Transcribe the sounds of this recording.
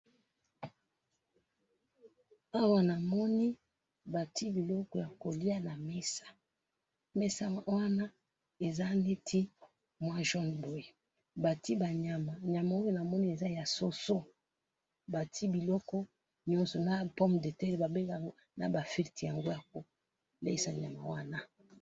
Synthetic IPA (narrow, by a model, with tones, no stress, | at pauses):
a˦wa˦na˨mɔ˦ni˦ | ba˨ti˦bi˨lɔ˦kɔ˦˨ja˨ko˨li˦a˦na˨mɛ˦sḁ˨ | me˦sa˦˨˦wa˦na˦ | e˨za˦ne˦tʰi˦ | mwa˦ʒɔ˦nbo˨je˨ | ba˨ti˦ba˨ɲa˨ma˨ɲa˨ma˨o˦jo˦na˨mɔ˦ni˦e˨za˦ja˨so˦so˦ | ba˨tʰi˦bi˨lɔ˦kɔ˦ | ɲɔ˦nsɔ˨na˦pɔ˦mde˨tɛ˦le˦ba˨be˦ŋɡa˨˦ | na̰˨ba˨fi˦lti˨ja˨ŋɡo˦ja˨k̚o˨ | le˦i˦˨sa˨ɲ˨a˨ma̰˨wa˦na˦